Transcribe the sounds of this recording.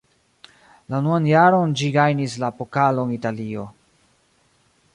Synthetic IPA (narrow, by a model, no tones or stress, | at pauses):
lanuanjaɾo̞nd͡ʒiɡajnislaːpo̞kalo̞nitalio̞